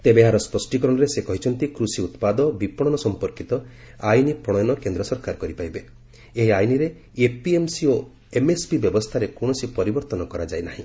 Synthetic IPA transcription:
t̪ebeaɾɔspɔsʈikɔɾɔɽ̃ɔɾesekɔɦit͡ʃʰɔnt̪ikɾusiut̪pad̪ɔbipɔɽ̃ɔnɔsɔmpɔɾkit̪ɔ | ajnipɾɔɽ̃ɔjɔnɔkend̪ɾɔsɔɾkaɾkɔɾipajbe | eɦiajniɾe | epiemsio | emespibjɔbɔst̪ʰaɾekoɽ̃ɔsipɔɾibɔɾt̪ɔnɔkɔɾad͡ʒajnaɦĩ

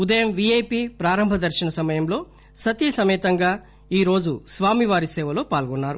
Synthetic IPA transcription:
ud̪ɐjɐmʋiejpiːpɾaːɾɐmbʱɐd̪ɐɾʃinɐsɐmɐjɐmlo̞ː | sɐt̪iːsɐmɛːt̪ɐŋɡaː | iːɾo̞ːd͡ʒusʋaːmiʋaːɾisɛːʋɐlo̞ːpaːlɡɔnːaːɾu

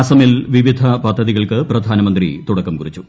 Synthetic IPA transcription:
aːsɐmilʋiʋid̪ʱɐpɐd̪ʱːɐðiɣɐɭkɨprɐd̪ʱaːnɐmɐnd̪rit̪uɽɐkːɐmkurit͡ɕːu

